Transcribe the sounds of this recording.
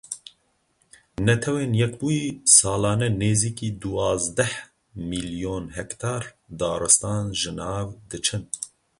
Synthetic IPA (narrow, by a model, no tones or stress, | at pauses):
nɛt̪ʰɛweːnjɛkbujisɑːlɑːnɛneːziːkiːd̪uɑːzd̪ɛh | milijoːnhɛkt̪ʰɑːɾ | d̪ɑːɾɨst̪ɑːnʒɨnɑːvd̪ɨt͡ʃʰɨn